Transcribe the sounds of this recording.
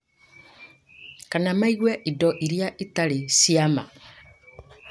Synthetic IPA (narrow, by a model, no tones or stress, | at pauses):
kanamaiɣwɛʔidɔʔiɾjaʔitaɾisiama̰